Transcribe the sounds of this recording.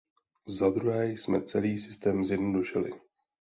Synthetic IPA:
zad̪ɾuɦɛːjsmɛt͡sɛliːsɪst̪ɛːmzjɛdno̞duʃɪlɪ̰

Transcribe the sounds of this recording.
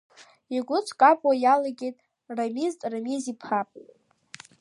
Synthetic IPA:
iɡʷʊt͡sʷʰʼkʼapʼwajalaɡʲejtʼ | ramiztʼramizipʰapʼw

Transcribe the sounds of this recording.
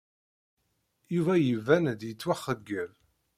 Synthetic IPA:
juvæjəvænd̪jət͡sːwæχːəɡːəl

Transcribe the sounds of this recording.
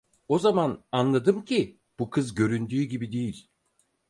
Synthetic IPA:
o̞zamananlˠad̪ɯmcʰi | b̥ukʰɯzɟø̞ɾynd̪yːɟibid̪ejilʲ

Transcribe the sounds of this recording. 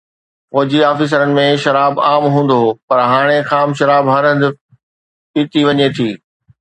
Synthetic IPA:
fɔːd͡ʑiaːfɪs̬əɾənɪ̆mẽʃɐɾaːbaːmɦũːn̆d̪opɐɾɦaːɽ̃exaːmʃɐɾaːbɦɐɾə̃nd̪ɪ | piːt̪iʋɐɲet̪ʰiː

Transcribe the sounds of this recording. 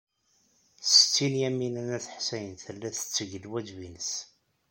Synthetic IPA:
st͡sːinjæminænæθə̥ħsæjənθəlːæθə̥t͡sːəʝəlwæd̪vinəs

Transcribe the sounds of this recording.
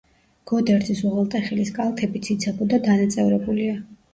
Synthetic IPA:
ɡ̥ɔd̪ɛɾt̪ʰisɔʁalˠt̪ʼɛχiliskʼalˠt̪ʰɛbit̪sʰit̪sʰabɔd̪ad̪anat̪sʼɛvɾɛbulia

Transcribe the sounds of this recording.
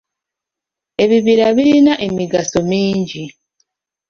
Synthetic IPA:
e̞βiβiɾaβiɾinaʔe̞miɡaso̞miːɲɟi

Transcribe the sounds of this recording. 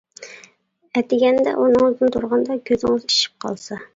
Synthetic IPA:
ɛt̪ɪɡʲɛnd̪ɛ̰ʔunɨŋzd̪ɨnt̪ʰuɾʁɑnd̪ɑkʲʰøzɪŋɪzi̥ʃi̥p̚qʰɑ̰lˠsɑ

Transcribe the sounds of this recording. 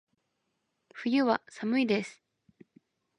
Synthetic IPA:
ɸɯ̟jɯ̟βasamɯ̟id̪e̞sɨ̥

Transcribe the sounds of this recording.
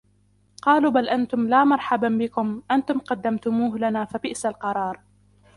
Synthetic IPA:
qɑːluːbalʔant̪ʊmlaːmɑɾˤħababɪkʊmʔant̪ʊmqɑd̪ːamt̪ʊmuːɦlanaːfabɪʔsalqɑɾˤɑːɾˤ

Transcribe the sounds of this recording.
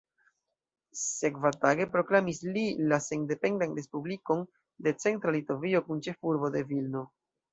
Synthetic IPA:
se̞kvataɡe̞pɾo̞klamislilaseŋde̞pe̞ndanɾe̞spubliko̞n | de̞t͡se̞ntɾalito̞vio̞kunt͡ʃe̞fuɾbo̞de̞vilno̞

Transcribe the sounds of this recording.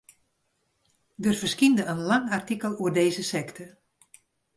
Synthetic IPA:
dərvərskindəənlaŋartikəlˠuərdeːzəsɛktʰə

